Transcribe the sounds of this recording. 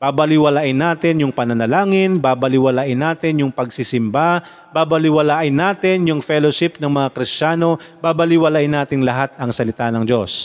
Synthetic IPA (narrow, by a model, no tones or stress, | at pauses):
b̥aːbɐlɪwɐlaːʔɪnːaːt̪ɪnjʊŋpɐnɐnɐlaːŋɪnbaːbɐlɪwɐlaːʔɪnːaːt̪ɪnjʊŋpɐɡsɪsɪmba | baːbɐlɪwɐlaːʔɪnːaːt̪ɪnjʊŋfɛloʃɪpnɐŋmɐŋakɾɪst͡ʃaːno̞baːbɐlɪwɐlaːʔɪnːaːt̪ɪŋlɐɦat̪̚ɐŋsɐlɪt̪anɐŋd͡ʒo̞s